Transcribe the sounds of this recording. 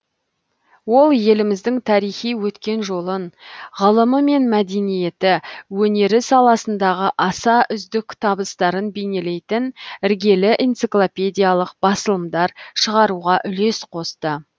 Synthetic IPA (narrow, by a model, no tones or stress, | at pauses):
wo̞lˠje̞lɪmɪzd̪ɪŋt̪ʰɑɾijχijwɵt̪kʲe̞nʒo̞lˠənʁəlˠəməme̞nmæd̪e̞nije̞t̪ɪwɵne̞ɾɪsɑlˠɑsənd̪ɑʁəʔɑsɑʔʏzd̪ɪkt̪ʰɑbəst̪ɑɾənbe̞jne̞le̞jt̪ɪnɪɾɡʲe̞lɪʔent̪siklˠopʲe̞d̪ʲijalˠəqb̥ɑsəlˠəmd̪ɑɾʃəʁɑɾuʁɑʔʏle̞sqʰo̞st̪ə